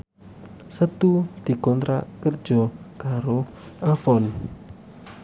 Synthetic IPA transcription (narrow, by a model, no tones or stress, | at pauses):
sət̪ud̪̥i̤kɔnt̪ɾa̰ʔkərd͡ʒɔkaɾo | afɔn